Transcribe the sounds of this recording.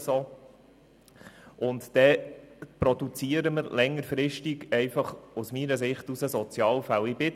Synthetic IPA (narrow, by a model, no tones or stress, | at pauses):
so | ʔʊnt̪d̥ɛpɾɔd̥̪ut͡siəɾəməɾlɛŋːəɾfɾɪʃtiɡɛɪfɑχusmiɾəs̬ɪχtusəsɔt͡sjɑːlfælɪbɪ